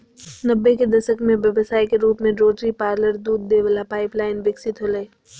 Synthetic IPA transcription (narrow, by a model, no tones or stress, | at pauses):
nɐbːeked̪ɐʃəkmẽʋjɐʋsaːikeɾuːpmẽɖɾoːʈɾipaːɾləɾd̪uːd̪ːeːʋəlapaːɪplaːɪnʋɪksɪt̪ɦoleː